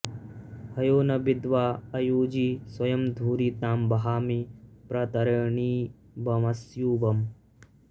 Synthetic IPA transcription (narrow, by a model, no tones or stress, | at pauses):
hɐjoːnɐbɪd̪ʋaːɐjuːd͡ʒiːswɐjɐmd̪ʱuːɾit̪aːmbɐɦaːmipɾɐt̪ɐɾɐɳiː | bɐmɐsjuːbɐm